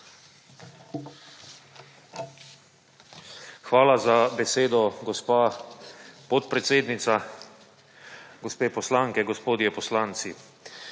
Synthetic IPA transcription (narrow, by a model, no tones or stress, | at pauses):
xʋaːlazabɛseːd̪ɔɡɔspaː | pɔt̪pɾɛt̪seːd̪nit̪sa | ɡɔspeːpɔslaːŋkɛɡɔspoːd̪jɛpɔslaːnt̪si